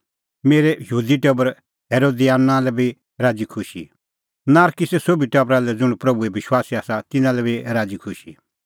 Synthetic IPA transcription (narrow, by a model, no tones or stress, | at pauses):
meːɾɛjəɦuːd̪iʈɛbəɾ | ɦeːɾoːd̪iaːnːãlɛbi | ɾaːd͡zikʰʊʃḭ | naːɾkisɛsobʱiʈɐbɾalɛd͡zʊɳpɾɐbuɛbɪʃwaːsiaːsat̪ɪnãlɛbiɾaːd͡zikʰʊʃi